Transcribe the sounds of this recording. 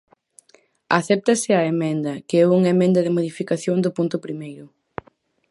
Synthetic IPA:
aθɛp̚t̪ɐsɪɐemɛ̃nd̪ɐkɪɛuŋemɛ̃nd̪ɐðɪmoðifikaθjoŋd̪ʊpunt̪ʊpɾimejɾʊ

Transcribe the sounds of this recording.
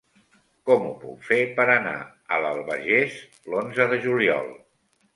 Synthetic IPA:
kɔmṵpṵkfepəɾəna̰ | ələlˠβə̰ʒes | lonzəðəʒuliɔ̰lˠ

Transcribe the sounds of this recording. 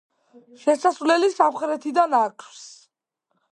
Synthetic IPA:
ʃɛsasvlɛlisamχɾɛt̪ʰid̪anaɾkʰfs

